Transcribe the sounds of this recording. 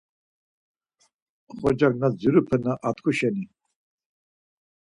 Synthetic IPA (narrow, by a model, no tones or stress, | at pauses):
χɔd͡ʒaɡ̚nad͡zuɾupʰənaʔat̪kʰuʃɛni